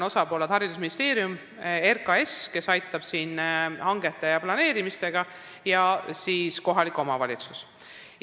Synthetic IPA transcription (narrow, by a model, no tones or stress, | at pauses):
no̞sɑpo̞ːled̪̥hɑɾid̪̥usminist̪e̞ːɾijum | erkɑe̞ske̞sɑjt̪ˑːɑb̥siːnhɑŋɡ̥e̞t̪ːˑejɑplɑne̞ːɾimist̪e̞ɡ̥ɑ | jɑsiːsko̞ɦɑliko̞mɑvɑlʲit̪sus